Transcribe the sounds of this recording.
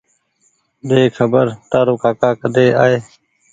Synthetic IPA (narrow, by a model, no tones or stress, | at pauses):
ɗ̪eːkʰəbəɾt̪aːɾoːkaːkaːkəd̪eːaːɦeː